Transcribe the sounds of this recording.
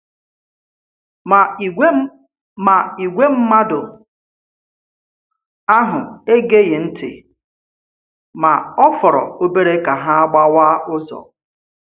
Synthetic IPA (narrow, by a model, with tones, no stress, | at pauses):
a˨i˨ɡʷe˦m̩˦ma˦dʊ˨ | a˦ɦʊ̰˨e˦ɡe˦jɪ˨n̩˦tʰɪ̰˨ | ma˨ɔ˦fʊ˨ɾɔ̰˨o˦be˦ɾe˦ka˨ɦa˦a˦ɡ͡ba˦waː˦ʊ˦zɔ̰˨